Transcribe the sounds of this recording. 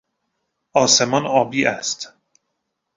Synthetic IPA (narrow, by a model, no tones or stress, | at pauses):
ʔɒːse̞mɒːnɒːbiːʔæst̪